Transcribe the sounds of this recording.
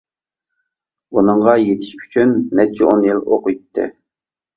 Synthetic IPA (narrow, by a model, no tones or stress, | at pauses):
unɨɴʁɑjet̪ʰɪ̥ʃpʰy̥t͡ʃʰynːɛt͡ʃʰɛonjilˠoqujt̪ʰːɨ̰